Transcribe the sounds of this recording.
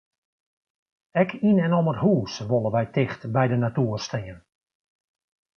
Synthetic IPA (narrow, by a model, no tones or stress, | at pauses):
ɛkʰinɛnoməthuːsʋolˠəʋɛjtɪxtbɛjdənatuːərstɪːən